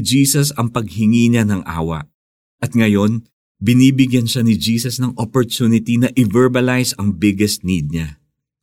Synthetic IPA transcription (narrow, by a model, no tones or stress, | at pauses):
d͡ʒiːsɐsɐŋpɐɡ̚hɪŋiːɲanɐŋʔa̰ːwɐ̰ | ɐt̪̚ŋɐjo̞n | bɪniːbɪɡjɐnʃanɪd͡ʒiːsɐsnɐŋʔopoɹt̪junɪt̪inɐʔɪvɛɹbɐlajsɐŋbɪɡɛsnid̪̚ɲa